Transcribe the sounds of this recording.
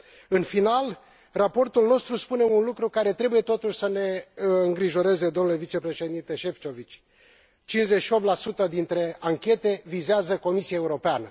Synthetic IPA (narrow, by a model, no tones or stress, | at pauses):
ɨnfinal | rapo̞rt̪ulno̞st̪ɾuspune̞unlukɾukaɾe̞t̪ɾe̞buje̞t̪o̞t̪uʃʲsəne̞ɨŋɡɾiʒo̞ɾe̞ze̞d̪omnule̞vit͡ʃe̞pɾe̞ʃe̞d̪int̪e̞ʃe̞ft͡ʃo̞vit͡ʃʲ | t͡ʃinʲzet͡ʃʃio̞p̚t̪lasut̪əd̪int̪ɾe̞aŋkʲe̞t̪e̞vizeazəko̞misiaeuɾo̞peanə